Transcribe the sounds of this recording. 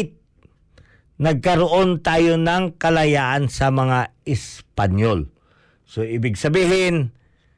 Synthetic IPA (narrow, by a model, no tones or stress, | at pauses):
t̪̚ | nɐɡ̚kɐɾoʔont̪aːjonɐŋkɐlɐjaːʔansɐmɐŋaɪspanjol | soʔɪbɪɡsɐbiːɦɪn